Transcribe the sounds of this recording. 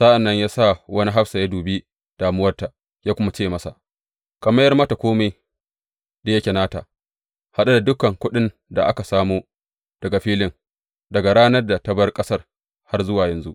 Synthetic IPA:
sa˦ʔa˨nːɐ˦ɲjaː˦sa˦˨wɐ˦ni˦ɦa˦ɸsa˨ja˦duː˨bi˦ | d̥aː˨mʊ˦wɐ˦rta˨ | jaː˦kʷʊ˦ma˦t͡ʃeː˦˨mɐ˦sa̰˨ʔ | kɐ˨mɐ˦jɐ˦rmɐ˦ta˨kʷoː˦me˦j | da˨jɐ˦kʲe˨naː˦ta̰˨ | ha˦ɗa˦da˨dʊ˦kɐ˨ŋkʷʊ˦ɗɪ˦n | da˨ʔa˦ka˨saː˦moː˦ | d̥ɐ˨ɡa˨ɸiː˦lɪ˦ŋ | dɐ˨ɡa˨ɽaː˦nɐ˦rda˨tɐ˦bɐ˦rkʼɐ˦sɐ˦r | ha˦rzʊ˦waː˨jɐ˨nzu˦ʔ

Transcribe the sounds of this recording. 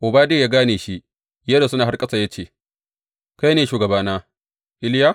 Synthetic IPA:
ʔʊ˨baː˦de˦˨jaː˦ɡaː˦neː˨ʃi˦ʔ | jɐ˦da˨sʊ˦naː˨ɦa˦rkʼɐ˦sa˨ja˦t͡ʃeː˨ | ka˦jneː˨ʃuː˨ɡɐ˨baː˦naː˦ | ʔɪ˦lja˦

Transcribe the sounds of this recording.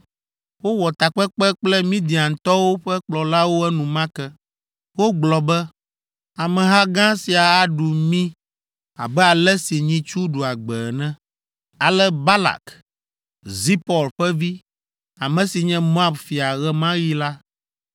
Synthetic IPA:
wo˦wɔ˨t̪a˨k͡pɛ˦k͡pɛ˦k͡plɛ˦mĩ˦d̪i˨ã˨ŋ̩˨t̪ɔ˦wo˦ɸɛ˦k͡plɔ˨la˦wo˦ɛ˦nũ˨mã˦kɛ˦ | wo˦ɡ͡blɔ˨bɛ˦ | a˨mɛ̃˨ɦa˦ɡã˦si˨a˨a˦ɖu˨mĩ˦ | a̰˨bɛ˦a˨lɛ˦si˨ɲĩ˦t͡ʃu˦ɖu˨a˨ɡ͡bɛ˨nɛ̃˦ | a˨lɛ˦ba˦la̰˨k | zi˦pɔ˨lɸɛ˦vi˦ | a˨mɛ̃˨si˨ɲɛ̃˦mõ˦a˨bfi˨a˨ɣɛ˦mã˦ji˦la˦

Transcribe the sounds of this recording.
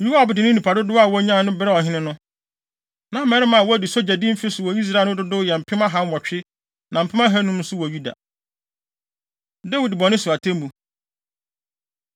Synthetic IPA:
u˦wa˦ɔ˨bɪ˨dɪ˨nɪ̃˦nĩ˨pʰa˨dʊ˦dʊ˦a˦˨wɔ˦ɲã˦˨nʊ̃˦bɪ˦ɾɛ˦ɔ˨ɦɪ̃˦nɪ̃˦nʊ̃˦ | nã˨˦mɛ̃˨˦ɾɪ˦mã˨wɔ˦æ˨di˨so˦d͡ʑa˨dĩ˦m̩˦fɪ˦sʊ˨wɔ˨i˦s̬ɾa˦˨n˦ʊ̃˦dʊ˦dʊ˦˨jɛ˨m̩˨pʰɪ˦mã˦ɦã˦nwɔ˨t͡ɕᶣɪ˦ | nã˨m̩˨pʰɪ˦mã˦ɦæ˦nũ˦m̩˦sʊ˦wɔ˨ju˦da̰˨ | da˦wi˦dbɔ˨nɪ̃˦su˨a˨tʰɛ̃˦m˦bu˨

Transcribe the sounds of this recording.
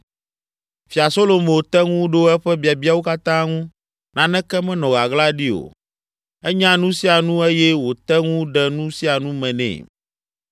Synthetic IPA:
fi˨a˨so˦lo˨mẽ˨o˨t̪ɛ˦ŋũ˦ɖo˦ɛ˦ɸɛ˦bi˨a˨bi˦a˨wo˦ka˦t̪ã˦ŋũ˦ | nã˨nɛ̃˦kɛ˦mɛ̃˦nɔ̃˨ɣa˨ɣla˦ɖi˦o̰˨ | ɛ˦ɲã˦nũ˦si˦a˨nũ˦e˦jɛ˦wo˨t̪ɛ˦ŋũ˦ɖɛ˦nũ˦si˦a˨nũ˦mɛ̃˨nɛ̰̃˨

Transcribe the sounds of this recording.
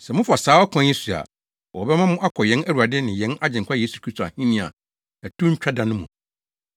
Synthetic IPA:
sɛ˨mʊ̃˦fa˨saː˨˦wɔ˦kʷʰɔ̃˦ɛ̃˦su˨a̰˨ | wɔ˨bɛ˦mã˦mʊ̃˦ʔa˦kʰɔ˨jɛ̃˦næ˦ɾu˨a˨dɪ˦nɪ̃˨jɛ̃˨˦na˦d͡ʑɪ̃˨ŋkʷʰa˦jeː˦su˨kʰɾi˦stʰo˨a̰˨hĩ˦nɪ̃˦˨a̰˨ | æ˨tʰũ˦ɲ̩˦t͡ɕᶣa˦dã˨nʊ̃˦mũ˨

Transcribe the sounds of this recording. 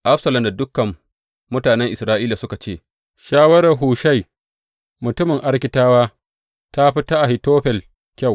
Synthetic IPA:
ʔa˦ɸsɐ˨lɐ˨mda˨dʊ˦kːɐ˨mː | ʊ˦taː˨nɛ˦ŋʔɪ˨sɾaː˦ʔiː˦la˨sʊ˦ka˨t͡ʃeː˦˨ | ʃaː˦wɐ˦ɾɐ˨rɦuː˨ʃa˦˨j | mʊ˨tʊ˦mɪ˨ŋʔa˦rkʲɪ˦taː˦waː˦ | ta˦ɸɪ˦ta˦ʔa˨hɪ˨toː˦ɸɛ˨l | kʲa˦˨w

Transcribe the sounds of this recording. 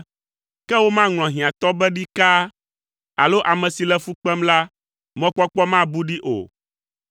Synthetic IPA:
kɛ˦wo˦mã˦ŋl̃ɔ̃˨ɦĩ˨ã˨t̪ɔ˦bɛ˦ɖi˦ka˦ | a̰˨lo˦ʔa˨mɛ̃˨si˨lɛ˦fu˦k͡pɛ˦mla˦ | mɔ̃˦k͡pɔ˦k͡pɔ˦mã˦bu˦ɖi˦ʔo̰˨

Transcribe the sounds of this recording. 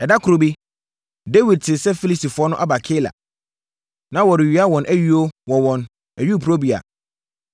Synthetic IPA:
ɛ˨da˦kʰʊ˨ɾo˨bi˦ | de˦wi˨d̚tʰɪ˨sɛ˦fi˦li˦si˨fʊ˨˦ɔ˦nʊ̃˦ʔa˦ba˨kʰe˦la̰˨ | nã˦wɔ˨ɾɪ˨ɥi˨˦a˦wɔ̃˨nʔæ˦ɥi˦o˦wɔ˨wɔ̃˨n | æ˨ɥu˦˨pʰu˨ɾo˦bi˨a̰˨

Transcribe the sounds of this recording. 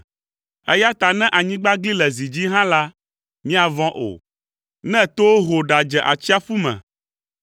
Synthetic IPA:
ɛ˦ja˦t̪a˨nɛ̃˦ʔa˨ɲĩ˦ɡ͡ba˦ɡli˦lɛ˨zi˨d͡ʑi˦ɦã˦la˦ | mĩ˦a˨vɔ̃˦ʔo̰˨ | nɛ̃˦t̪o˦wo˦ɦo˨ɖa˨d͡ʒɛ˨ʔa̰˨t͡ɕi˦a˦fu˦mɛ̰̃˨

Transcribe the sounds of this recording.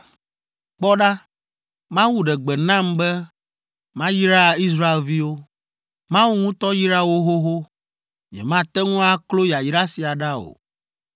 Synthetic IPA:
k͡pɔ˦ɖa˦ | mã˦wu˦ɖɛ˨ɡ͡bɛ˨nã˦mbɛ˦ | mã˦ji˦ɾa˦i˦s̬ɾa˦e˨lvi˦wo˦ | mã˦wu˦ŋũ˦t̪ɔ˦ji˦ɾa˦wo˦ɦo˦ɦo˦ | ɲɛ̰˨mã˦t̪ɛ˦ŋũ˦a˦klo˦ja˨ji˦ɖa˦si˨a˨ɖa˦o̰˨

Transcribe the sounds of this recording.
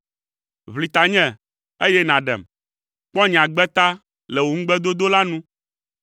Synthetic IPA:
βli˨t̪a˨ɲɛ̃˦ | e˦jɛ˦nã˨ɖɛ̰˨m | k͡pɔ̃˦ɲ̃˨ã˨ɡ͡bɛ˦t̪a˦ | lɛ˨wo˨ŋ̩˦ɡ͡bɛ˦d̪o˦d̪o˦la˦nũ˦

